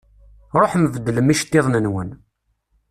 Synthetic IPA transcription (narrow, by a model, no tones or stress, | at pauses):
ɾˤoħəmvəd̪ːləmiʃt̪ːeðˤnənwən